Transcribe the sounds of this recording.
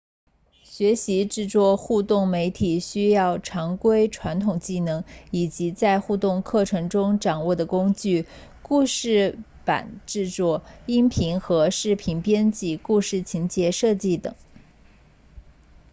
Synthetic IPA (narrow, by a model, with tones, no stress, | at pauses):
ɕɥɛ˧˥ɕi˧˥ʈ͡ʂɻ̩˥˧t͡swɔ˥˧xu˥˧t̪ʊ˥˩ŋme˧˥ɪt̪ʰi˨˩ɕy˥jɑ˥˩ʊʈ͡ʂʰɑ˧˥ŋkwe˥ɪʈ͡ʂʰwa˧˥nt̪ʰʊ˨˩ŋt͡ɕi˥˩nɤ˧˥ŋi˨˩t͡ɕi˧˥t͡sa˥˧ɪxu˥˧t̪ʊ˥˧ŋkʰɤ˥˩ʈ͡ʂʰɤ˧˥ŋʈ͡ʂʊ˥ŋʈ͡ʂɑ˨˩ŋwɔ˥˩d̪ə˩kʊ˥ŋt͡ɕy˥˩ | ku˥˧ʂɻ̩˥˩ | pa̰˨˩˦nʈ͡ʂɻ̩˥˧t͡swɔ˥˩i˥ŋpʰi˧˥ŋxɤ˧˥ʂɻ̩˥˩pʰi˧˥npjɛ˥nt͡ɕi˥˩ku˥˧ʂɻ̩˥˩t͡ɕʰi˧˥nt͡ɕjɛ˧˥ʂɤ˥˧t͡ɕi˥˩t̪ɤ̰˨˩˦ŋ